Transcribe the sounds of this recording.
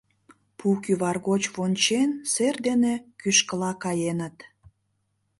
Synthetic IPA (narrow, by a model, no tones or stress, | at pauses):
pukyβɑrɣot͡ɕβonʲt͡ɕenserd̪enekyʃkəlɑkɑjenət̪